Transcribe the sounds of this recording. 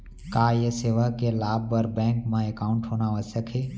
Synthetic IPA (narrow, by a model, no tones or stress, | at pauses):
kaːjeseːʋakelaːbɐɾbɛ̃ːŋkmə̃ekaːʊ̃ɳʈɦoːnaʋəsəkʰeː